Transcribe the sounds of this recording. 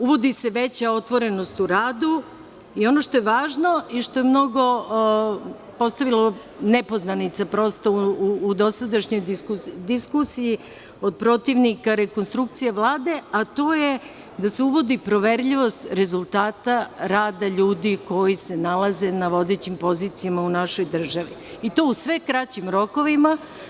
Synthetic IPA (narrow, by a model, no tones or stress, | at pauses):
uʋo̞d̪ise̞ʋe̞t͡ɕao̞t̪ʋo̞ɾe̞no̞st̪uɾaːd̪u | io̞no̞ʃt̪o̞jeʋaːʒno̞iʃt̪o̞jemno̞ɡo̞ | po̞st̪aʋilˠo̞ | nepo̞znanit̪sapɾo̞ːst̪o̞uːd̪o̞sad̪aʃɲo̞j̪ikud̪iskusiji | o̞d̪̚pɾo̞t̪iʋnikaɾe̞ko̞nst̪ɾuk̚t̪sijeʋlˠaːd̪e̞at̪o̞ːje̞ | d̪aseuʋo̞d̪ipɾo̞ʋe̞ɾʎiʋo̞st̪ɾe̞zulˠt̪aːt̪aɾaːd̪aʎuːd̪iko̞jise̞nalˠaze̞naʋo̞d̪et͡ɕimpo̞ziːt̪sijamaunaʃo̞jd̪r̩ʒaʋi | it̪o̞ːusʋekɾat͡ɕimɾo̞ko̞ʋima